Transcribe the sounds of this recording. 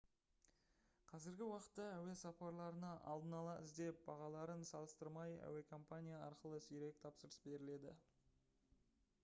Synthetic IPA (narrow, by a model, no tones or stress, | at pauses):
qʰɑzɪɾɡʲɪwɑqə̥t̪ːɑæwe̞sɑpɑɾlˠɑɾənɑʔɑ̰lˠd̪ənɑlˠɑʔɪzd̪e̞p̚b̥ɑʁɑlˠɑɾənsɑlˠəst̪əɾmɑjæ̰we̞kʰo̞mpanʲijaɑɾqəlˠəsʏjɾe̞k̚ʲt̪ʰɑpsəɾəsbe̞ɾɪle̞d̪ɪ̰